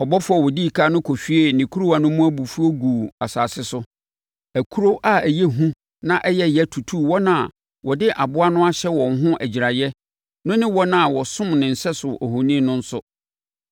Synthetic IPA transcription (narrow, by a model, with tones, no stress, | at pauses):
ɔ˨bɔ˦fʊ˦a˨wɔ˨di˦˨kʰa˦nʊ̃˦kʰo˨fi˦e˦nĩ˨kʰu˦ɾu˦a˨nʊ̃˦mũ˦æ˦bu˨fu˦o˦ɡuː˨a˨saː˨sɪ˦sʊ˦ | æ˨kʰu˦ɾo˦ʔa˦æ˨je˦ɦũ˦ | nã˦ʔɛ˦jɛ˦jɛ˦tʰu˨tʰu˦wɔ˦nã˦˨ | wɔ˨dɪ˦ʔa˨bʊ˦a˦nʊ̃˦a˦ɕɛ˦wɔ̃˨ŋɦʊ̃˦ʔæ˨d͡ʑi˨ɾa˨jɛ˦ | nʊ̃˦nɪ̃˦wɔ˦nã˦˨wɔ˨sʊ̃˦mnɪ̃˨n̩˨sɛ˦sʊ˨ʔɔ˨hõ˨nĩ˦nʊ̃˦n̩˦sʊ˦